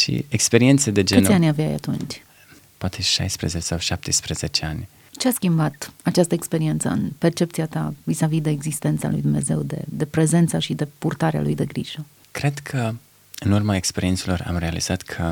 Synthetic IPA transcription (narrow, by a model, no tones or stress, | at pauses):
ʃḭekspeɾient̪sed̪e̞d͡ʒeɨneanʲaveja̰ja̰t̪ṵnt͡ʃʲ | poat̪ʰeʃa̰jspɾezet͡ʃsawʃap̚t̪espɾəzet͡ʃe̞anʲ | t͡ʃeaskʲimbat̪at͡ʃast̪əekspe̞ɾie̞nt̪sə̰ɨ̰npe̞rt͡ʃe̞pt̪siat̪avizavid̪e̞ːɡzist̪e̞nt̪sa̰lṵjd̪umne̞̰ze̞wd̪e̞̰d̪e̞pɾe̞ze̞nt̪saʃid̪e̞purt̪aɾea̰lujd̪e̞ɡɾḭʒ̥ə | kɾe̞d̪kʰə | ɨnurmaekspeɾient̪selo̞ra̰mre̞alḭz̥at̪kʰə